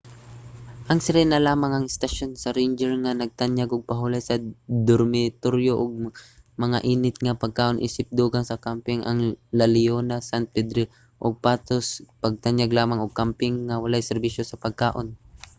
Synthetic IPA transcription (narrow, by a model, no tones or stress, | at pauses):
ʔɐŋsɪɾɛnɐlaːmɐŋɐŋɪst̪ɐʃonsɐɾɛnd͡ʒɛɹŋɐnɐɡ̚t̪aɲjaɡʊɡ̚pɐɦulɐjsɐd̪oɾmɪt̪oɾjoʔoɡ̚mɐŋa̰ʔiːnɪt̪̚ŋɐpɐɡ̚kaːʔo̞nʔḭːsɪp̚d̪uːɡaŋsɐkampɪŋʔɐ̰ŋlɐlɪjonasant̪̚pɛd̪ɾi | ʔoɡ̚paːt̪ospɐɡ̚t̪anjaɡlaːmaŋoɡ̚kampɪŋːɐwɐlajsɛɾbiʃjosɐpɐɡ̚kaːʔo̞n